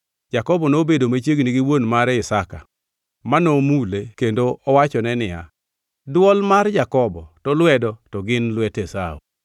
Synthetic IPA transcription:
d͡ʒakɔbɔnobedomat͡ʃjeɡniɡɪwonmaɾɛɪsaka̰ | manomulekendoɔwat͡ʃɔnɛnɪja̰ | dwɔlmard͡ʒakɔbɔtɔlwɛdɔtɔɡɪnlwɛtesao̰

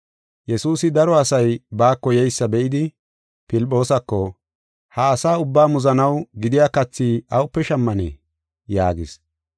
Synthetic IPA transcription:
jɛsuːsɪd̪ɐɾɔɐsɐjbaːkːɔjɛjsːɐbɛʔɪd̪ɪ | pɪlpʼːo̞ːsɐkːɔ | hɐːsaːʊbːaːmʊzɐnɐwɡɪd̪ɪjaːkɐt͡sːiːʔɐwʊpːɛʃɐmːɐnɛ̰ | ja̰ːɡɪs

